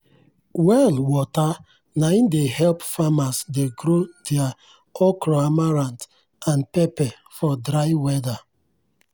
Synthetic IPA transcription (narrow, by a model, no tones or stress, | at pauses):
wɛlwɔta | naindehɛlpfamasdeɡɾodɛa | ɔkɾoamaɾãnt | ãnpɛpɛ | fɔdɾaɪwɛda